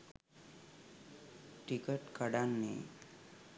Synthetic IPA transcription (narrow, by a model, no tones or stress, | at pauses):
ʈikəʈkəɽanːḛ